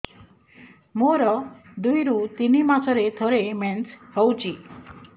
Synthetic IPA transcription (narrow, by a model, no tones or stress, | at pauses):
moɾɔd̪ujɾut̪inimat͡ʃʰɔɾet̪ʰoɾemenshɔwt͡ʃʰi